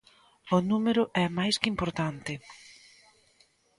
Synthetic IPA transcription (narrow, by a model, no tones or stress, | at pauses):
ʊnumeɾʊʔɛmajskimpoɾt̪ant̪ɪ